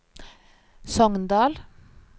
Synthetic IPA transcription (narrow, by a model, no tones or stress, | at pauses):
sɔŋnd̪ɑːl